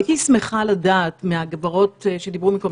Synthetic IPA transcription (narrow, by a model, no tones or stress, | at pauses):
tismeχaladaːtmeaɡvaʁo̞tʃed̪ibʁumikol